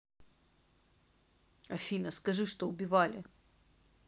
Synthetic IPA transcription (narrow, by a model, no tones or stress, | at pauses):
ɐfʲinəskɐʐɨʂt̪oʊbʲɪvalʲɪ